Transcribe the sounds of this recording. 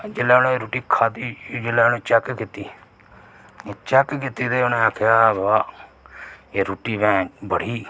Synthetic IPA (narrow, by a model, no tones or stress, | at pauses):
d͡ʒelaːonẽɾuːʈiːkʰaːd̪iːd͡ʒɪlɛːneːt͡ʃɛkkit̪iː | et͡ʃɛkkɪt̪iːd̪eːonẽːaːkʰjaːbaː | eːɾuːʈiːbɛ̃ːbəɽ̤iː